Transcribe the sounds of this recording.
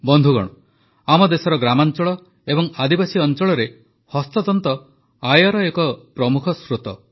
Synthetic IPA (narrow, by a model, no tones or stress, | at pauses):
bɔnd̪ʱuɡɔ̰ɽ̃ɔ | amɔd̪esɔɾɔɡɾamant͡ʃɔɭɔ | ebɔŋad̪ibasiɔnt͡ʃɔɭɔɾe | hɔst̪ɔd̪ɔnt̪ɔ | ajɔɾɔekɔpɾɔmukʰɔsɾut̪ɔ̰